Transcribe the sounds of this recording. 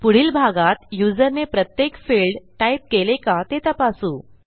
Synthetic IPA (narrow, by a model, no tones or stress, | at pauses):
puɽ̤iːlbʱaɡat̪jud͡zəɾnepɾət̪jekfiɭɖʈaip̚kelekat̪et̪əpasũː